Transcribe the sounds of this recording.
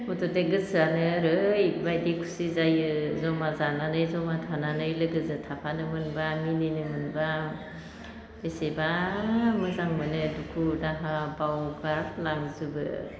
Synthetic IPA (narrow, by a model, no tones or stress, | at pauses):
utɔdeɡɯsanɯɾɯjbajdikʰu̥sizajɯzɔmazananɯjzɔmatʰananɯjlɯɡɯzɯtʰapʰanɯmɯnbamininɯmɯnba | esebamɯzaŋmɯnɯdukʰudaɦabawɡaɾklaŋzubɯ̰